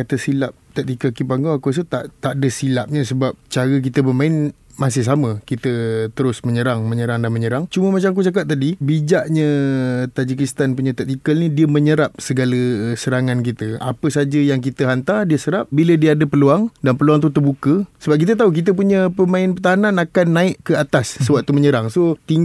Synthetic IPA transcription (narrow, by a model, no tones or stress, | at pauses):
kat̪əsilap̚t̪ək̚t̪ikəkipaŋɡoakus̬ət̪a̰ʔt̪aʔdəsilap̚ɲəsəbap̚t͡ʃaɾək̬it̪əbəmãɪn | mas̬ɪhs̬amə̃kit̪ət̪əɾʊsməɲəɾaŋməɲəɾaŋdanməɲəɾaŋt͡ʃuməmat͡ʃamak̬ut͡ʃak̬ap̚t̪adibid͡ʒaʔɲət̪ad͡ʒikist̪anpuɲət̪ɛk̚t̪ikəlnidiəməɲəɾap̚səɡaləsəɾaŋankit̪əa̰pəsad͡ʒəjaŋk̬it̪əɦant̪ardiəsəɾap̚bilədiəadəpəluaŋdanpəluaŋt̪̬ut̪ərbukəsəbap̚kit̪̬ət̪̬auk̬it̪̬əp̬uɲə̃pəmãɪnpərt̪aɦananakanːãɪʔkəat̪asːəwaʔ̚t̪uməɲəɾaŋsot̪iŋ